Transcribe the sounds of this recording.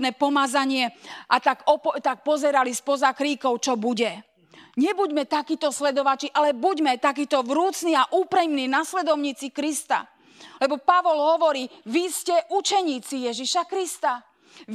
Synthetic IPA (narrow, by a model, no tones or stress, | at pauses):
nɛːpɔmazaɲɪɛʔat̪aɡɔpt̪ak̚pɔzɛɾalispɔzakɾiːkɔʊt͡ʃɔbuɟɛ | ɲɛbuɟmɛt̪akiːt̪ɔslɛd̪ɔʋat͡ʃiʔalɛbuɟmɛt̪akiːt̪ɔʋɾuːt͡sniaʔuːpɾimninaslɛd̪ɔʊɲiːt͡sikɾist̪a̰ | lɛbɔpaʋɔlɦɔʋɔɾiːʋiscɛʔut͡ʃɛɲiːt͡sijɛʒiʃakɾist̪a